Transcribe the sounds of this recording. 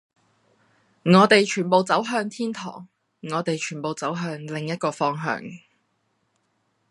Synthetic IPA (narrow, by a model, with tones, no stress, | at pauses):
ŋɔː˨˧t̪e˨jt͡ʃʰyː˨˩npo˨wt͡sɐ˨˥wɦœː˧ŋt̪ʰiː˥nt̪ʰɔ̰ː˨˩ŋː | ɔː˨˧t̪e˨jt͡ʃʰyː˨˩npo˨wt͡sɐ˨˥wɦœː˧ŋlɪ˨ŋjɐ˥t̚kɔː˧fɔː˧ŋɦœ̰ː˧ŋ